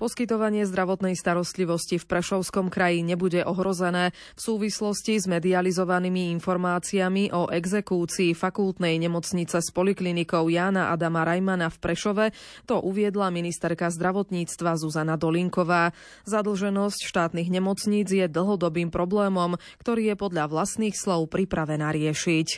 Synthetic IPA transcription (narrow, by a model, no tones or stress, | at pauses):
pɔskit̪ɔʋaɲɪɛzd̪ɾaʋɔt̪nɛjst̪aɾɔst̪liʋɔscifpɾɛʃɔʊskɔmkɾajiɲɛbuɟɛʔɔɦɾɔzɛnɛː | fsuːʋislɔscizmɛd̪ializɔʋanimiinfɔɾmaːt͡siamiʔɔʔɛɡzɛkuːt͡siːfakulˠt̪nɛjɲɛmɔt͡sɲit͡sɛspɔliklinikɔʊjaːnaʔad̪amaɾajmanafpɾɛʃɔʋɛt̪ɔʔuʋɪɛd̪laminist̪ɛɾkazd̪ɾaʋɔt̪ɲiːt͡st̪ʋazuzanad̪ɔliŋkɔʋaː | zad̪l̩ʒɛnɔscʃt̪aːt̪niɣɲɛmɔt͡sɲiːd͡zjɛd̪l̩ɦɔd̪ɔbiːmpɾɔblɛːmɔm | kt̪ɔɾiːjɛpɔd̪ʎaʋlast̪niːxslɔʊpɾipɾaʋɛnaːɾɪɛʃic